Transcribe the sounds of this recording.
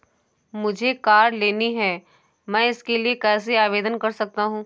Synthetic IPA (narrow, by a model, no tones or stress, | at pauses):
mʊd͡ʒʱekaːɾleːniɦɛː | mɛ̃ːɪskeliekɛːs̬eaːʋeːd̪ənkɐɾsɐk̚t̪aɦũː